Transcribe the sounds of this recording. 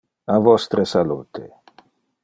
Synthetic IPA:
avɔst̪ɾesaluːt̪ʰe

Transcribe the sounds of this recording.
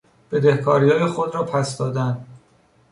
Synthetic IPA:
b̥e̞d̪e̞hkʰɒːɾihɒːjexod̪ɾɒːpʰæsd̪ɒːd̪ænd̪

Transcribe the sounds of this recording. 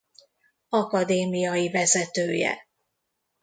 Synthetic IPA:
ɒkɒd̪eːmijɒjivɛzɛt̪øːjɛ̰

